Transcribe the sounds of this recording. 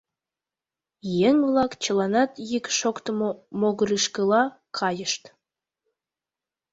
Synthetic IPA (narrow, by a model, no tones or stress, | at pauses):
jeŋvlˠɑkt͡ɕəlˠɑnɑt̪jikʃokt̪əmomoɡəɾiʃkəlˠɑ | kʰɑjəʃt̪